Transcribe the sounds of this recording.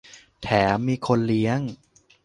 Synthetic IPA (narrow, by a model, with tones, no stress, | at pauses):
t̪ʰɛː˩˦miː˧kʰo˧nli˦˥əŋ